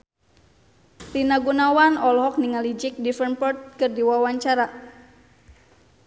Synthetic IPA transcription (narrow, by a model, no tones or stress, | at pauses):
tinaɡunawanɔlɦɔk̚niŋalid͡ʒik̚difɛrnpɔrt̪̚kɨrdiwawaɲt͡ʃaɾa